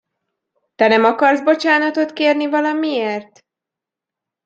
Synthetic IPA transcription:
t̪ɛnɛmɒkɒrzbo̞t͡ʃaːnɒt̪o̞t̪keːrnivɒlɒmieːrt̪

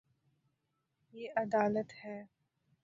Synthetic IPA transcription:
jeːʔɐd̪aːlət̪hɛː

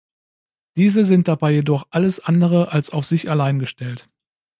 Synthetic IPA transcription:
d̥iːzəzɪnt̚d̥abaɪjedɔχʔaləsʔandəʁəʔalsaʊfz̥ɪçalaɪnɡəʃtɛlt

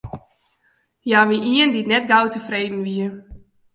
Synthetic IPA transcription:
jaːʋiʔiənditnɛtɡawtəfreːdn̩ʋiə

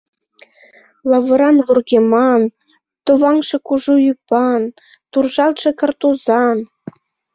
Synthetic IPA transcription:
lˠɑvɤ̆ɾɑnβurɣʲemɑn | t̪oβɑŋʃɤ̆kuʒujypɑn | t̪urʒɑlt̪ʃɤ̆kɤ̆rt̪uzɑn

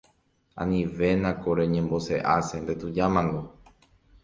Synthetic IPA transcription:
ã̰nĩʋe̞nãkoɾeɲẽmbo̞seʔasend̪et̪ud͡ʒamãŋɡ̪o

